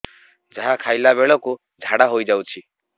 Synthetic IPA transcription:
d͡ʒaɦakʰajlaβeɭɔku | d͡ʒʱaɽaɦojd͡ʒawt͡ʃʰi

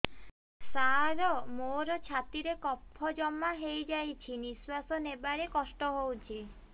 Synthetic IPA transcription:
saɾɔmoɾɔt͡ʃʰat̪iɾekɔpʰːɔd͡ʒɔmaɦejd͡ʒajt͡ʃʰiniswasɔnebaɽekɔsʈɔɦowt͡ʃʰi

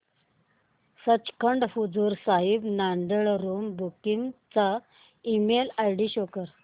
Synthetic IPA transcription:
sət͡ɕkʰəɳɖfud͡zuɾsaɦibnaɳɖəɭɾumbukimt͡sa | imelajɽiɕokəɾ

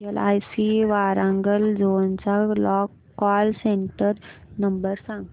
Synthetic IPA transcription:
ela̰jsiʋaɾãŋɡəld͡zont͡salɔk | kːɔlseɳʈəɾnəmbəɾsãŋ

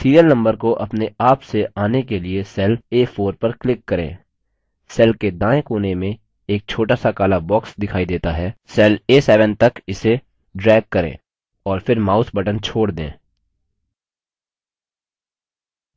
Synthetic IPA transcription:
siːɾijəlnɐ̃mbəɾkoʔɐpneaːpseʔaːnekeliesɛːleːfʰoːɾpɐɾklɪkːɐɾḛ̃ː | sɛːlked̪ãːẽkoːnemẽ | eːk̚t͡ʃʰoːʈasakaːlabɔːksd̪ɪkʰaːid̪eːt̪aɦɛːsɛːleːsɛːʋə̃nt̪ɐkɪse | ɖɾɛːɡ̚kɐɾḛ̃ː | ɔːɾfɪɾmaːʊsbɐʈə̃nt͡ʃʰoːɽd̪ḛ̃ː

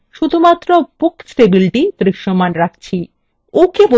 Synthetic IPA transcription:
ʃud̪ʱumat̪ːɾopuksʈebiliʈit̪ɾiʃomanɾak̚t͡ɕʰi | okebo

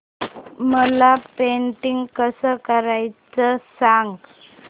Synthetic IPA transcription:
məlapeɳʈiŋɡkəsəkəɾajt͡səsaŋɡ

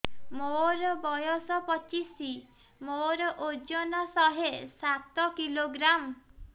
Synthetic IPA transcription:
moɾɔbɔjɔsɔpɔt͡ʃisi | moɾɔʔod͡ʒɔnɔsɔɦesat̪ɔkiloɡɾam

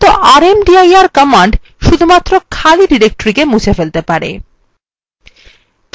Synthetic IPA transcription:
t̪oʔaɾemɖiajaɾkɔmaɳɖ | ʃud̪ʱumat̪ːɾokʰaliɖiɾek̚ʈoɾikemut͡ɕʰefelt̪epaɾḛ | k

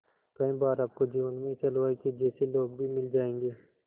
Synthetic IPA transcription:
k̪ɐĩbaːɾab̚kod͡ʒiːʋənmẽɪsɐlʋaːiked͡ʒɛːseloːɡ̚bʱimɪld͡ʒaːẽːŋɡeː

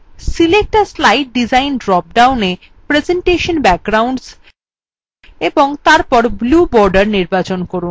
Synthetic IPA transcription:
silek̚ʈaɾslajʈ̚ɖid͡ʑajnɖɾɔp̚ɖawne | pɾed͡ʑeɳʈeʃonbɛk̚ɡɾawɳɖs | eboŋt̪aɾpɔɾblubɔɾɖaɾniɾbat͡ɕonkoɾun

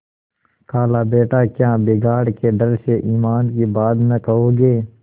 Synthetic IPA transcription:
kʰaːlabeːʈaːkjãːbeːɡaːɽkeɖɐɾseʔiːmaːnkibaːd̪mẽkɐɦoːɡeː

